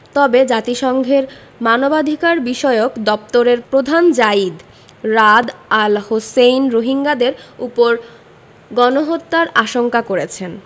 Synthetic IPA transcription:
t̪ɔbed͡ʑat̪iʃɔŋɡʱeɾ | manobad̪ʱikaɾbiʃɔeokd̪ɔp̚t̪oɾeɾpɾod̪ʱand͡ʑaid̪ | ɾad̪alhosejnɾoɦiŋɡad̪eɾupoɾ | ɡɔnoɦot̪ːaɾaʃoŋkakoɾet͡ɕʰen

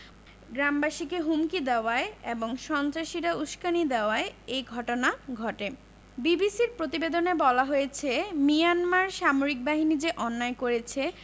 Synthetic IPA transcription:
ɡɾambaʃikeɦumkid̪eoaeeboŋʃɔnt̪ɾaʃiɾauʃkanid̪eoaeejɡʱɔʈonaɡʱɔʈe | bibisiɾpɾot̪ibed̪onebɔlaɦojet͡ɕʰemijanmaɾʃamoɾik̚baɦinid͡ʑeʔɔnːaekoɾet͡ɕʰe

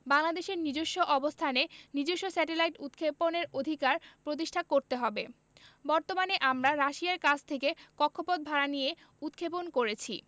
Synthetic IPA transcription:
baŋlad̪eʃeɾnid͡ʑoʃːoʔɔbost̪ʰanenid͡ʑoʃːosɛʈelajʈut̪kʰeponeɾod̪ʱikaɾpɾot̪̬iʃʈʰakoɾt̪eɦɔbe | bɔɾt̪omaneʔamɾaɾaʃiaɾkat͡ɕʰt̪ʰekekɔkʰːopod̪̚bʱaɾanije | ut̪kʰeponkoɾet͡ɕʰi

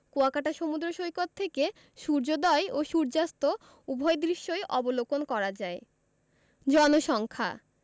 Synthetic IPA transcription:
koakaʈaʃomud̪ɾoʃojkot̪ʰːeke | ʃuɾd͡ʑod̪ɔeoʃuɾd͡ʑast̪o | ubʱɔjd̪ɾiʃːojʔɔbolokonkɔɾad͡ʑae | d͡ʑɔnoʃɔŋkʰa̰

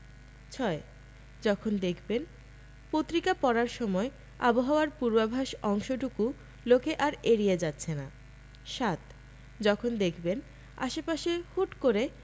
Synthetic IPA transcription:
t͡ɕʰɔe | d͡ʑɔkʰond̪ekʰben | pot̪ːɾikapɔɾaɾʃɔmɔe | a̰boɦaoaɾpuɾbabʱaʃɔŋʃoʈuku | lokeʔaɾeɾied͡ʑatːɕʰena | ʃat̪ | d͡ʑɔkʰond̪ekʰben | a̰ʃepaʃehuʈkoɾe

